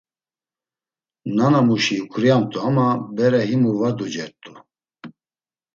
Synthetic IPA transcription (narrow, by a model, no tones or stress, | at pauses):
nanamuʃikʰuɾijamt̪ʼuamabɛɾɛɦimuvad̪ud͡ʒɛɾt̪ʼu